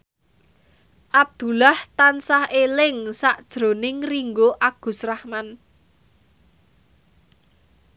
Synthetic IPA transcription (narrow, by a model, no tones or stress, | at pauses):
ʔab̚d̪̥ṳlaht̪ansahelɪŋsaʔd̥ʒ̥ɾo̤nɪŋriŋɡoʔaɡ̥ṳsrahman